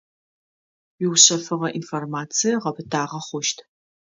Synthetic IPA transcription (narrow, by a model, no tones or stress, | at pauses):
wiwɕɐfɨʁɐʔḭnformaːt͡sʰijɐʁɐbɨtʰaːʁɐχʷʊʃtʰ